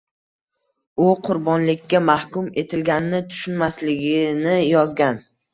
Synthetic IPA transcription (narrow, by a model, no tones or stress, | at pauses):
ʊqʰʊɾbɒnlɪkʲːamahkʊme̞t̪ʰɪlɡʲanɪnɪt̪ʰʊ̥ʃʊnmaslɪɡʲɪnɪjɒzɡʲan